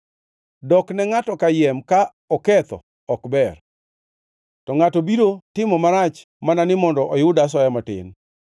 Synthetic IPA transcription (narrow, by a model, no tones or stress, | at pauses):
dɔknɛŋatɔkajɛmka | ɔkɛt̪ɔ̰ | ɔkbɛr | tɔŋatɔbiɾotɪmɔmaɾat͡ʃ | mananɪmɔndɔʔɔjʊdas̬wajamatɪ̰n